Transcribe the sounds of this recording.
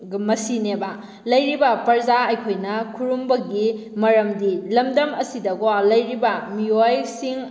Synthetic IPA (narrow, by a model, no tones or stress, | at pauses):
mɐsinebɐ | lɐjɾibɐpɐɾd͡ʒaɐjkʰojnɐkʰuɾumbɐɡi | mɐɾɐmdilɐmdɐmɐsidɐɡowalɐjɾibɐmiojsiŋ